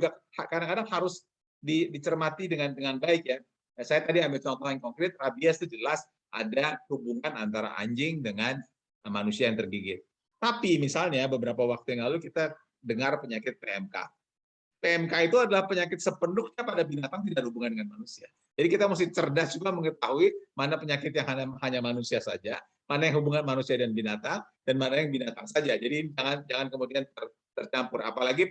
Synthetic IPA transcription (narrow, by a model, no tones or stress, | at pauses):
d͡ʒuɡahakadaŋkadaŋhaɾʊs | didit͡ʃərmat̪idəŋandəŋanbaɪkja | asajat̪adiambɪlt͡ʃɔnt̪ɔhankɔŋkɾɪt̪̚rabiast̪ud͡ʒəlas | ʔa̰dahubuŋanant̪aɾa̰ʔa̰ɲd͡ʒɪŋdəŋan | manusiajaŋt̪ərbiɡɪt̪̚ | t̪apimisalɲabəbəɾapawak̚t̪ujaŋlalukit̪a | dəŋarpəɲakɪt̪̚peɛmka̰ | peɛmkait̪uadalahpəɲakɪt̪̚səpəndʊk̚ɲapadabinat̪aŋt̪idadhubuŋandəŋanmanusia | d͡ʒadikit̪amus̬ɪht͡ʃərdasd͡ʒuɡaməŋət̪aɦuimanapəɲakɪt̪̚jaŋɦaɲahaɲamanusiasa̰d͡ʒa | manajaŋɦubuŋanmanusiadanbinat̪aŋ | d̥anmanajaŋbinat̪aŋsad͡ʒad͡ʒadid͡ʒaŋand͡ʒaŋankəmudiant̪ər | t̪ərt͡ʃampʊra̰palaɡi